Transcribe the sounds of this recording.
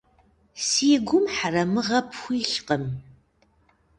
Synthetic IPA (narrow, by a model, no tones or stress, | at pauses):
siːɡʷʊmħarɐmɨʁɐpʰxʷiːɬqəm